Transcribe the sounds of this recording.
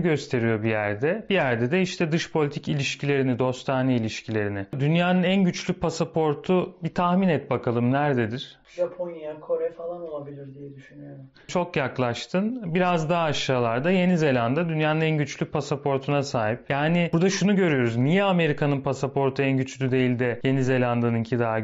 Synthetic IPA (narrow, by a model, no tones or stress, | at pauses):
ɟø̞st̪ʰe̞ɾijo̞bijæɾd̪ɛb̥ijæɾd̪ɛd̪ɛiʃt̪ʰɛd̪ɯʃpʰo̞lʲit̪ʰicilʲiʃcʰilʲe̞ɾinid̪o̞st̪ʰaːnailʲiʃcʰilʲe̞ɾinɪd̪ynjaːnɯnænɟyt͡ʃlʲypʰasapʰo̞ɾt̪ʰubit̪ʰaxminɛt̪̚bakʰalˠɯmnæɾd̪e̞d̪iɾ̥ | ʒapʰonjakʰo̞ɾɛfalˠanolˠabilʲiɾd̪ijɛd̪yʃynyjoɾm | t͡ʃʰo̞kjaklˠaʃt̪ʰɯnbiɾazd̪aɦaːʃaːlˠaɾd̪aje̞nize̞lʲand̪ad̪ynjaːnɯnænɟyt͡ʃlʲypʰasapʰo̞ɾt̪ʰunasaːɦipjaːnɪbuɾd̪aʃunuɟø̞ɾyjo̞ɾuznijɛame̞ɾikʰanɯnpʰasapʰo̞ɾt̪ʰuænɟyt͡ʃlʲyd̪ejilʲd̪ɛje̞nize̞lʲand̪anɯncʰid̪aːa